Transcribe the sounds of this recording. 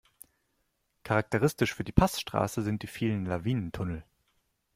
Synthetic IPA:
kʰaʁak̚təʁɪstɪʃfyːɐdiːpʰasʃtʁ̥a̰ːsəzɪnt̚d̥iːfiːlənlaviːnəntʰʊnl̩

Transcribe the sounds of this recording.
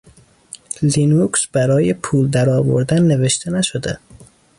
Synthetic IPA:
linuksbæɾɒːjepʰuːld̪æɾɒːvo̰ɾd̪ænːe̞ve̞ʃt̪ʰenæʃod̪e

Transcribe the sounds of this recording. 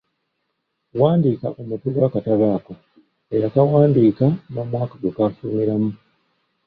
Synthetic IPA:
waːndiːka̰ʔomutuɡaːkataβaːko̞ | ejakawaːndiːkano̞ːmwaːkaɡokaːfuːmiɾamu

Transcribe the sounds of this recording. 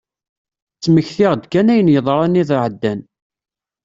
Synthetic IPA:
t͡sːməçθɪʁd̪kænæjənjəðˤɾˤɑniðʕəd̪ːæn

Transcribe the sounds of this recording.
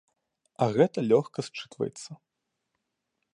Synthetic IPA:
ɐɣɛt̪ɐlʲɔxkɐst͡ʂɨ̥t̪vɐ̰jɛt̪sːɐ

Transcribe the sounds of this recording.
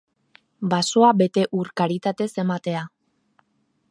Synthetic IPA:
baso̞abe̞t̪e̞ʔuɾkaɾit̪at̪e̞se̞mat̪e̞a

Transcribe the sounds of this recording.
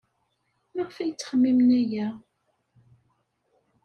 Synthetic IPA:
məʁfæjət͡sːχəmːimnæjæ

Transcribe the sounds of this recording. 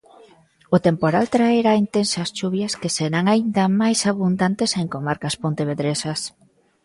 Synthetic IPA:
ʊt̪empoɾalt̪ɾaeɾaint̪ensasʃuβjɐskeseɾaŋaind̪ɐmajsaβund̪ant̪eseŋkomaɾkaspont̪eβeðɾesɐs

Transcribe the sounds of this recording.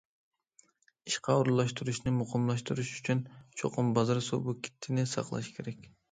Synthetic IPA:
iʃqɑuɾlˠɑʃt̪uɾuʃnumuqɑmlˠɑʃt̪uɾuʃyt͡ʃynt͡ʃʰo̰qumbɑzɑɾso̰buki̥t̪ːinisɑ̰qlˠɑ̰ʃɯ̥kʰe̞ɾe̞k

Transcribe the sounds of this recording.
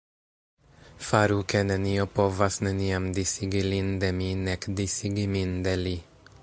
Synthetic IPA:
faɾukɛnɛniopovasnɛniamd̪isiɡilind̪ɛminɛkd̪isiɡimind̪ɛli

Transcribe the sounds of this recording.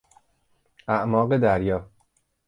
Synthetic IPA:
æʔmɒːɢed̪æɾjɒː

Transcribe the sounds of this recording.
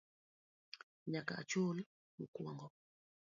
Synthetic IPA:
ɲakaa̰t͡ʃuli | mukwaŋɡɔ

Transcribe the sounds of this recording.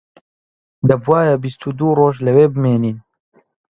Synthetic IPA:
d̪ɐbwaːjɐbist̪ʰud̪uːroːʒlɐweːbɨmeːniːn

